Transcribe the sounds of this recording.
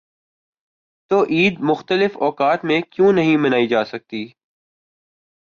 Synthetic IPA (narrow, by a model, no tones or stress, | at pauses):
t̪oːʔiːd̪mʊxt̪əlɪfɔːkaːt̪mẽkjũnɐɦĩmɐnaːid͡ʒaːsɐk̚t̪iː